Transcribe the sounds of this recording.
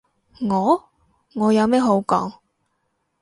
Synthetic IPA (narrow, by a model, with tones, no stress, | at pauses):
ŋɔː˨˧ | ŋɔː˨˧jɐ˨˧wmɛː˥ɦo˨˥wkɔ̰ː˨˥ŋ